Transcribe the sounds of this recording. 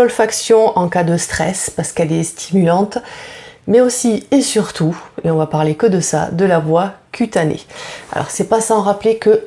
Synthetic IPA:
ɔlfaksjɔ̃ʔɑ̃kad̪əst̪χɛspaʁsə̥kɛlɛst̪ʰimylɑ̃t̪ | mɛosiesyʁt̪ueɔ̃vapaʁlekəd̪əsa̰d̪əlavwakʲʰyt̪anḛa̰lʔɔ̰ʁsɛpasɑ̃ʁaplekə

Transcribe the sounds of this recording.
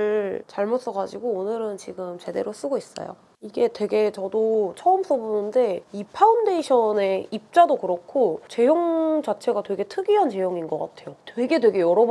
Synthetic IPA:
ɭt͡ɕaɭmot̚s͈ʌɡad͡ʑiɡoːnɯɾɯnt͡ɕiɡɯmt͡ɕe̞de̞ɾos͈ɯɡois͈ʌ̰jo̰ | iɡe̞twe̞ɡe̞t͡ɕʌdot͡ɕʰʌɯms͈obonɯnde̞ipʰaunde̞iɕʰʌne̞ip̚t͡ɕ͈adokɯɾʌkʰot͡ɕe̞joŋt͡ɕat͡ɕʰe̞ɡatwe̞ɡe̞tʰɯɡiɦant͡ɕe̞joŋinɡʌk͈a̰tʰe̞jotwe̞ɡe̞dwe̞ɡe̞jʌɾʌb

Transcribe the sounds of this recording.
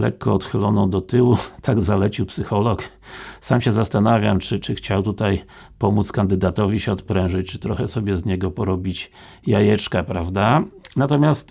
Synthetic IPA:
lɛ̰kʰːɔɔt̪xɘlɔnɔ̃w̃d̪ɔt̪ɘwut̪ʰaɡzalɛt͡ɕiwpsɘxɔlɔk | samɕɛzast̪anavʲjamt͡ʂɘt͡ʂɘxt͡ɕawt̪ut̪aj | pɔmut̪skand̪ɘd̪at̪ɔvʲiɕɛɔt̪pɾɛ̃w̃ʐɘt͡ɕt͡ʂɘ̥t̪ɾɔxɛsɔbʲjɛzɲɛɡɔpɔɾɔbʲit͡ɕ | jajɛt͡ʂkapɾavd̪anat̪ɔmʲjast̪

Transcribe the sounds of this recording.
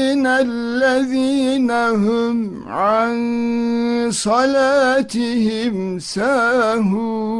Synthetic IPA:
nalːaðiːnaɦʊm | ʕan | sˤɑlaːt̪ɪhɪmsaɦu

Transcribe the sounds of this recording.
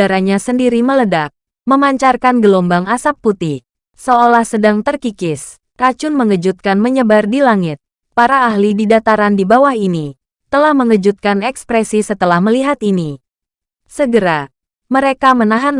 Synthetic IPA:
aɾaɲasəndiɾimələdak̚ | məmaɲt͡ʃarkanɡəlombaŋasapːut̪ih | soolahsədaŋt̪ərkikɪs | kat͡ʃʊnməŋəd͡ʒut̪̚kanməɲəbardilaŋɪt̪̚ | paɾaːhlididat̪aɾandibawahini | t̪əlahməŋəd͡ʒut̪̚kanɛkspɾɛsisət̪əlahməliɦat̪ini | səɡəɾa | məɾekamənaɦan

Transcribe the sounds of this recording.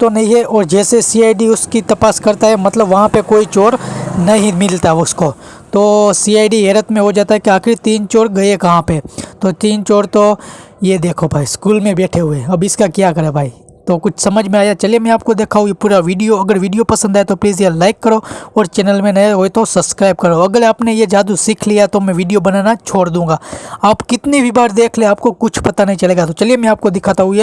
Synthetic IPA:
t̪onɐɦĩɦɛʔɔːɾd͡ʒɛːsesiːaːiɖiʊskit̪ɐpaːskɐɾt̪aɦɛmɐt̪ləbʋɐɦãpekoːit͡ʃoːɾnɐɦĩmɪlt̪aɦɛʊsko | t̪oːsiːaːɪɖiɦeːɾət̪mẽɦod͡ʒaːt̪aɦɛkiaːxɪɾt̪iːnt͡ʃoːɾɡɐekɐɦãpet̪ot̪iːnt͡ʃoːɽt̪o | jed̪eːkʰobʱaːiskuːlmẽbɛːʈʰeɦʊeɐbɪskakjakɐɾebʱaːi | t̪okʊt͡ʃʰsɐməd͡ʒʱmẽaːjat͡ʃɐlijemɛ̃aːp̚kod̪eːkʰaɦʊepuːɾaʋiːɖijoɐɡəɾʋiːɖijopɐsə̃nd̪aet̪opliːzjelaːɪkːɐɾoɔːɾt͡ʃɛːnəlmẽnɐeɦoːet̪osɐbskɾaːɪb̚kɐɾoɐɡəɾaːpnejed͡ʒaːd̪usɪkʰlijat̪omɛ̃ʋiːɖijobɐnaːnat͡ʃʰoːɽd̪ũːŋɡaːaːpkɪt̪nebʱibaːɾd̪eːkʰleaːp̚kokʊt͡ʃʰpɐt̪anɐɦĩt͡ʃɐleːɡat̪ot͡ʃɐlijemɛ̃aːp̚kod̪ɪkʰaːt̪aɦue

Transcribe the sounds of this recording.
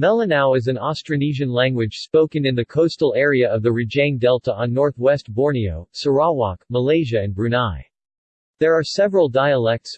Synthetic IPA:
mɛlˠənaʊɨzɨ̃nɑstɹ̥ɨniʒɨ̃nlæ̃ŋɡwɨd̥ʒ̥spoʊkɨ̃nɨ̃nðɨkʰoʊstl̩ˠɛɹiɨʌvðɨɹɨd͡ʒẽɪ̃ndɛlˠtʰəə̃nːɔɹθwɛst̚b̥ɔɹnioʊsə˞ɑwɑ̰kməleɪʒɨɨ̃nbɹʉnaɪ | ðə˞ːsɛvɹəl̩ˠdaɪəlɛk̚ts

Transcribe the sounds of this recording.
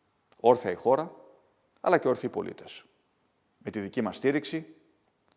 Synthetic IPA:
o̞ɾθɐixo̞ɾɐ | ɐ̰lɐceo̞ɾθiipo̞lḭt̪e̞s | me̞t̪iðicimɐst̪iɾiksi

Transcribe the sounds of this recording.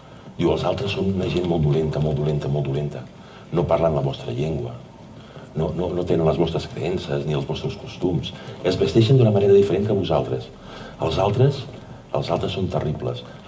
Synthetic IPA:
d̪iwəlˠzalˠt̪ɾəsːonunəʒenmolˠd̪ulent̪əmolˠd̪ulent̪əmolˠd̪ulent̪ə | noparlanləβɔst̪ɾəʎeŋɡwə | nononot̪enənləzβɔst̪ɾəskɾə̰ɛnsəzniəlzβɔst̪ɾəskust̪umsəzβəst̪ɛʃənd̪unəməneɾəðifəɾeŋkəβuzalˠt̪ɾəs | əlˠzalˠt̪ɾəs | əlˠzalˠt̪ɾəsːont̪ərʔiplə̰s

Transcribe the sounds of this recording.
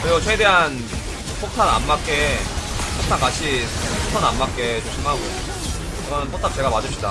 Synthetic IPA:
kɯɾiɡot͡ɕʰweede̞ɦan | pʰok̚tʰana̰mːak͈e̞ | pʰoktʰaŋkaɕʰisotʰʌnamːak͈e̞t͡ɕomɕʰimɦaɡo | kɯɾʌnɯnpʰotʰak̚t͡ɕ͈e̞ɡamadɯɭpɕ͈ʰida

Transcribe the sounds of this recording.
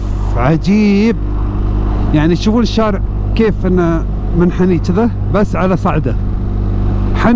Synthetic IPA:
ʕad͡ʒiːb̚ | jaʕniʃufuːnʃːaːɾɪʕ | keːfʔɪnːa | mɪnħaniːt͡ʃɪða | basːʕalasˤɑʕd̪a | ħan

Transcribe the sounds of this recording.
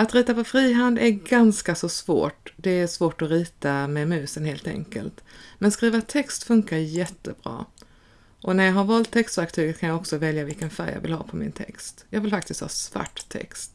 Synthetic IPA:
at̪ɾiːt̪apʰɔfɾiːɦand̪æɾɡanskasɔsvo̰ːʈd̪ɛæʂvoːʈɔɾiːt̪amɛmʉ̟ːsənheːlt̪ɛ̰ŋkə̰lt̪mɛnskɾiːvat̪ʰɛkst̪fɵŋkaɾjɛt̪ːəbɾɑ̰ː | ʔɔnæjɑɡɦaɾvɑːlt̪ʰːɛkst̪væɾk̚t̪ʰyːɡəkʰanjaɡɔksɔvɛljavɪlkənfæ̰ɾjɑ̰ːvɪ̰lhɑ̰ːpʰɔmɪ̰nt̪ʰɛ̰kst̪jɑːɡvɪlfak̚t̪ɪst̪hɑ̰ːsva̰ʈːt̪ʰːɛ̰kst̪

